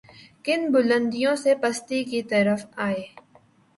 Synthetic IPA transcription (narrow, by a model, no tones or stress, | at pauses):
kɪnbʊlə̃nd̪ijõsepɐst̪ikit̪ɐɾəfaːeː